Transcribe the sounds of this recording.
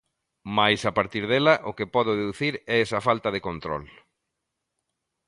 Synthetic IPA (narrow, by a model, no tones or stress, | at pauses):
majsapaɾt̪iɾðɛlɐʔʊkɪpɔð̞ʊðeðuθiɾɛɛsɐfalt̪ɐðekont̪ɾɔ̰l